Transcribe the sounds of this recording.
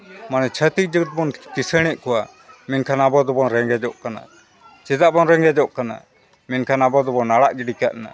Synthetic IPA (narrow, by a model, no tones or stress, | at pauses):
manɛt͡ʃʰət̪ik̚ˀd͡ʒəɡt̪̚bɔnkisəɽ̃ɛʔ̚kɔwa | minkʰanabɔd̪ɔbɔnɾɛŋɡɛd͡ʒɔʔkana̰ | t͡ʃɛd̪aʔbɔnɾɛŋɡɛd͡ʒɔʔkana̰ | minkʰanabɔd̪ɔbɔnaɽaʔd͡ʒiɖikaʔna̰